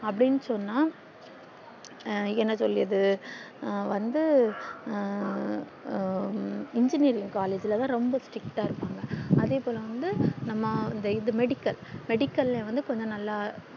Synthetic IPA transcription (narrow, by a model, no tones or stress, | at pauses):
ɐpːɐɽɪnːɯsɔnːaː | ɛnːɐsɔlːɪɐðɯ | ʋɐnd̪ɯ | ɪɲd͡ʒɪniːɾɪŋɡkaːleːd͡ʒɪlɐt̪ãːɾɔmbɐsʈɾɪkʈaːɪɾɯpːaːŋɡɐɐðeːpoːlɐ̃ʋɐnd̪ɯnɐmːɐɪnd̪ɐɪðɯmɛɽɪkːɐlmɛɽɪkːɐlẽʋɐnd̪ɯkɔɲd͡ʒɔ̃nɐlːaː